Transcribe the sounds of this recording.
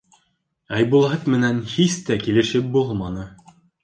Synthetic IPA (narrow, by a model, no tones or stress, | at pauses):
æjbulˠɑɤt̪mɘ̆nænhist̪ækilɘ̆ʃɘp̚bulˠmɑnɤ